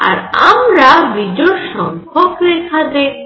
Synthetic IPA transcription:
a̰ɾa̰mɾabid͡ʒɔɾʃɔŋkʰɔkɾɛkʰad̪e

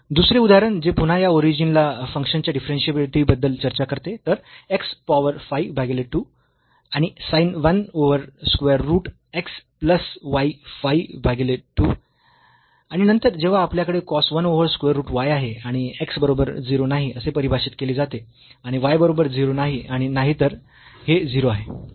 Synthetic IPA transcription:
d̪usɾeud̪aɾənd͡ʑepuɽajaoɾid͡ʑinlafəŋkʂənt͡ɕjaɖifɾensiəbiɭit̪ʰibəd̪ːəlt͡ɕəɾt͡ɕakəɾt̪et̪əɾekspaʋəɾfajbʱaɡeleʈːu | aɽ̃isajnʋənoʋəɾskʋeəɾːuːʈ | ekspləsʋajfaibʱaɡeleʈuː | aɽ̃inənt̪əɾd͡ʑeʋ̤aːpljakəɽekɔsʋənoʋəɾskʋeəɾːuːʈʋajaɦeaɽ̃ieksbəɾobəɾd͡ziɾonaɦiəsepəɾibʱaɕiːt̪keliːd͡zat̪e | aɽ̃iʋajbəɾobəɾd͡ziɾonaɦiaɽ̃inaɦit̪əɾ | hed͡ziɾoaɦe

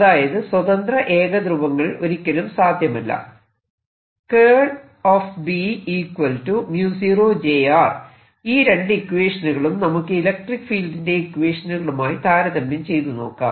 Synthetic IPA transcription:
ɐðaːjɐðɨswɐðɐnd̪rɐʔe̞ːɣɐd̪ruʋɐŋːɐɭo̞ɾikʲːɐɽumsaːd̪ʱjɐmɐlːɐ̰ | keːɖ | oːfbiiːkwɐltumjuːsiːroːd͡ʑejaːr | iːɾe̞ɳɖɨikːuweːʂɐnuɣɐɭumnɐmukːɨilɐk̚ʈrikːfiːlɖinde̞ikːʋeːʂɐnuɣɐɭumaːjit̪aːɾɐðɐmbɐmt͡ɕe̞jt̪uno̞ːkːa̰ːm

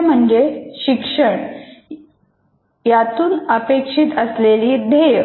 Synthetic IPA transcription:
m̤əɳd͡zeɕikʂəɳ | jat̪uːnəpekʂit̪əsleliːd̪ʱe

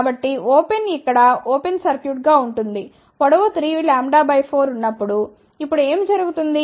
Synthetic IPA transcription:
bɐʈːioːpe̞nikːɐɽɐoːpensɐɾkjuːʈ̚ɡaːuɳʈund̪i | kɔɽɐʋɐt̪ɾiːlaːmɖaːbɐjpʰo̞ːɾunːɐpːuɽu | ipːuɽue̞ːmd͡ʒɐɾuɡut̪und̪i

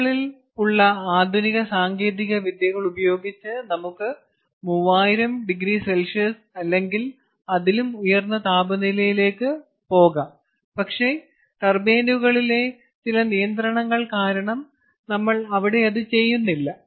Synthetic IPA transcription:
ɭil | uɭːɐaːd̪ʱuniɣɐsaːŋɡe̞ːðiɣɐʋid̪jɐɣɐɭubɐjo̞ːɡit͡ɕːɨnɐmukːɨ | muʋːaːjiɾɐmɖiɡɾiselʂɐs | ɐlːe̞ŋɡil | ɐðilumujɐrnːɐt̪aːbɐnilɐjile̞ːkːɨ | po̞ːɣɐ | pɐkʂe̞ | ʈ̪ɐrbeːnuɣɐɭile̞ | t͡ɕilɐnijɐnd̪ɾɐɳɐŋːɐɭkaːɾɐɳɐm | nɐmːɐɭɐʋiɽe̞ɐðɨt͡ɕe̞jːunːilːɐ

